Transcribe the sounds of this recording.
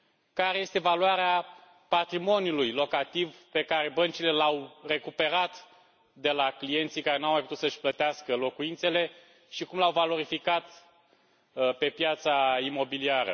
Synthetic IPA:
kaɾe̞je̞st̪evaluaɾea | pat̪ɾimo̞nʲjulujlo̞kat̪ivpe̞kaɾe̞bənt͡ʃile̞lawre̞kupe̞ɾat̪ | d̪e̞laklije̞nt̪sijkaɾe̞nawmajput̪ut̪səʃʲplət̪easkəlo̞kuint̪se̞le̞ | ʃikumlawvalo̞ɾifikat̪ | pe̞pjat̪saimo̞biliaɾə̰

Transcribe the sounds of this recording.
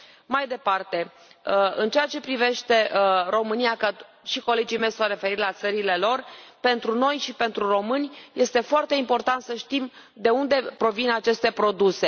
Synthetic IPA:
majd̪e̞part̪e̞ | ɨnt͡ʃejat͡ʃe̞pɾive̞ʃt̪e̞ɾo̞mɨnijakə | ʃiko̞le̞d͡ʒime̞jsowre̞fe̞ɾit̪lat̪səɾile̞lo̞rpe̞nt̪ɾuno̞jʃipe̞nt̪ɾuro̞mɨnʲje̞st̪e̞foart̪e̞impo̞rt̪ant̪səʃt̪im | d̪e̞und̪e̞pɾo̞vinat͡ʃe̞st̪e̞pɾo̞d̪use̞

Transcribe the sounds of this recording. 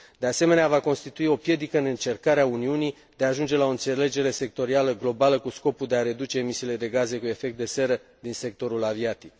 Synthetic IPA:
d̪e̞ase̞me̞neavako̞nst̪it̪uio̞pje̞d̪ikəɨnɨnt͡ʃe̞rkaɾeauniuni | d̪̥e̞aːʒund͡ʒe̞lao̞ɨnt̪se̞le̞d͡ʒe̞ɾe̞se̞k̚t̪o̞ɾialəɡlo̞baləkusko̞puld̪eaɾe̞d̪ut͡ʃe̞ːmisiːle̞d̪e̞ɡaze̞kue̞fe̞k̚t̪̚d̪e̞se̞ɾəd̪inse̞k̚t̪o̞ɾulaviat̪ik̚

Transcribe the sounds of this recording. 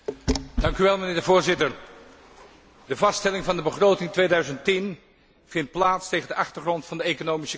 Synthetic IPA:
dɑŋkyʋɛlˠmənɪːɹdəvʊːɹzɪtəɹ | dəvɑstɛlɪŋvɑndəbəχrowtɪŋtʋeːjdœɥzəntin | v̥ɪnt̚plaːtstejχəndəʔɑχtəɹχrɔntfɑndəejkonowmisə

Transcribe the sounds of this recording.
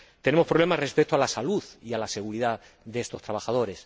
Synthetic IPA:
t̪e̞ne̞mo̞spɾole̞mazre̞spe̞k̚t̪oalasaluðialase̞ɣ̞uɾiða | ðeest̪o̞st̪ɾaβaxað̞o̞ɾe̞s

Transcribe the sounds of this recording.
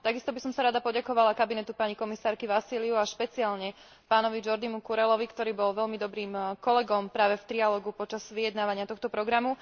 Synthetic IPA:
t̪aɡist̪ɔbisɔmsaɾad̪apɔɟakɔʋalakabinɛt̪upaɲikɔmisaːɾkiʋasiːliuaʃpɛt͡siaːlɲɛ | paːnɔʋid͡ʒɔɾd̪imukuɾɛlɔʋikt̪ɔɾiːbɔlʋɛʎmid̪ɔbɾiːmkɔlɛɡɔmpɾaːʋɛft̪ɾialɔːɡupɔt͡ʃaz̥ʋijɛd̪naːʋaɲɪat̪ɔxt̪ɔpɾɔɡɾamu

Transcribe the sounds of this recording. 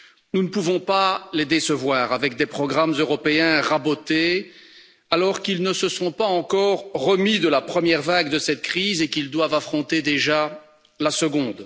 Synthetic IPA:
nunəpuvɔ̃paled̪esəvwaːʁavɛkd̪epχɔɡʁamzøʁɔpeɛ̃ʁabot̪e | alɔʁkilnəsəsɔ̃paɑ̃kɔʁːəmid̪əlapχəmjɛʁvaɡd̪əsɛt̪̚kχizekild̪wavafχɔ̃t̪ed̪eʒa | lasəɡɔ̃d̪

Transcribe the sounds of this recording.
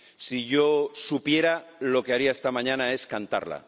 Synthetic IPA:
siʝo̞supje̞ɾalo̞keaɾiaest̪amãɲãnae̞skant̪a̰ɾla̰

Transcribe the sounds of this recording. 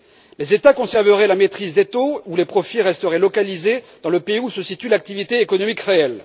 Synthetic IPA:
lezet̪akɔ̃sɛʁvəʁɛlamet̪χizd̪et̪oulepχɔfiʁɛst̪əʁɛlɔkalized̪ɑ̃ləpeiusəsit̪ylak̚t̪ivit̪eːkɔnɔmikʁeɛl

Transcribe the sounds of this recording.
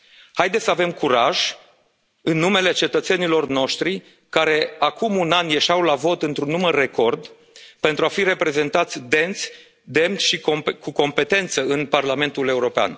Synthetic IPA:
hajd̪essəave̞mkʰuɾaʒ | ɨnːume̞le̞t͡ʃe̞t̪ət̪senilo̞rno̞ʃt̪ɾi | kaɾe̞akumunanje̞ʃawlavo̞t̪ɨnt̪ɾunːumərːe̞ko̞rd̪ | pe̞nt̪ɾuafiɾe̞pɾe̞ze̞nt̪at̪sʲd̪e̞nt̪sʲ | d̪e̞mʲʃikokuko̞mpe̞t̪e̞nt̪səɨnparlame̞nt̪ule̞uɾo̞pea̰n

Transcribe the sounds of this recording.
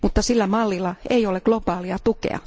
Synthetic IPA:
mut̪ːɑsilːæmɑlːilːɑeioleɡ̥lopɑːliɑt̪ukḛɑ̰

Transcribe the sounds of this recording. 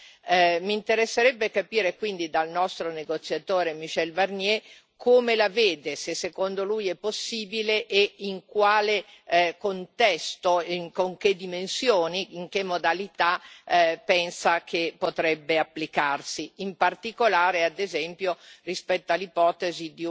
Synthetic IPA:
mint̪eɾesːeɾɛbːekapiːɾekwind̪id̪alnɔst̪ɾoneɡot̪sːjat̪oːɾemiʃɛlbarnjɛ | kʰoːmelaveːd̪esesːekond̪olujɛpːosːiːbileʔeiŋkwaːle | kont̪ɛst̪oŋkoŋked̪ːimensjoːniːŋkemːod̪alit̪a | pɛnsakʰepot̪ɾɛbːeapːlikarsiimpart̪ikolaːɾead̪ezɛmpjorispɛt̪ːoalipɔːt̪ezid̪i

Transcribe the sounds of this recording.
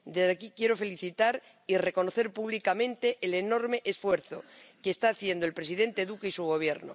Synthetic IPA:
d̪ezðekikjeɾo̞fe̞liθit̪aɾ | ire̞ko̞noθeɾpuβ̞likamẽ̞nt̪eʔːleno̞ɾmeʔesfwe̞ɾθo̰keːst̪aːθje̞nd̪oe̞lpɾe̞siðe̞nt̪eðukeisuɣ̞o̞β̞je̞ɾno̰

